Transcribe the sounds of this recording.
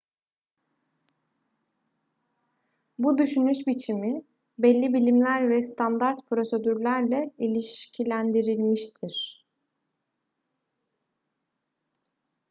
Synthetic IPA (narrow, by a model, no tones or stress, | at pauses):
bud̪yʃynyʃbit͡ʃʰimi | bɛlʲːibilʲimlʲæɾvɛst̪ʰand̪aɾt̪pʰɾo̞se̞d̪yɾlʲæɾlʲɛilʲiʃcʰilʲænd̪iɾilʲmiʃt̪ʰiɾ̥